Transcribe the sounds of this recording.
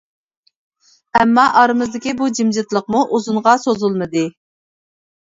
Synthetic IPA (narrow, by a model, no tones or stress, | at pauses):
ɛmːɑʔɑɾɨmɨzd̪ɪkʲibud͡ʒimd͡ʒɪt̪lˠəq̚muʔuzuɴʁɑsozulˠmɨd̪ɨ